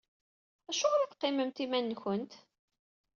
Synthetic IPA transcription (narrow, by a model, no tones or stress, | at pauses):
æʃʊɾiðqːeməmt̪imænːçənt̪